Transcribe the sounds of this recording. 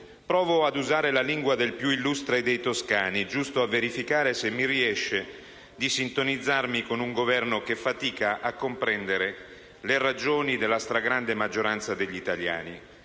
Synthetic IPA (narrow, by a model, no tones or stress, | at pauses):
pɾɔːvoad̪uzaːɾelaliŋɡwad̪elpjuilːust̪ɾed̪ejt̪oskaːnid͡ʒust̪oavːeɾifikaːɾesemːiriɛʃːe | d̪isint̪onid̪zːarmikonuŋɡovɛrnokefːat̪iːkaʔakːompɾɛnd̪eɾe | lerad͡ʒoːnid̪elːast̪ɾaɡɾand̪emad͡ʒːoɾant̪sad̪eʎːit̪alja̰ːni